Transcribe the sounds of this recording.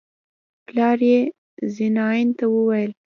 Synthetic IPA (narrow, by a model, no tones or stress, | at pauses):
plɑɾje | zɪnɑɪnt̪awəwajəl